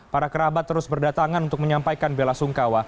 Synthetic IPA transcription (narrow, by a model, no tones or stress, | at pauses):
paɾakəɾabat̪ːəɾʊsbərdat̪aŋanunt̪ʊk̚məɲampajkanbelasuŋkawa